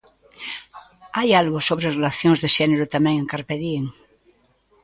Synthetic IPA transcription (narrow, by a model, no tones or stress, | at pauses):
ajalɣosoβɾerelaθjoŋzðeʃeneɾot̪amẽŋeŋkaɾpeðieŋ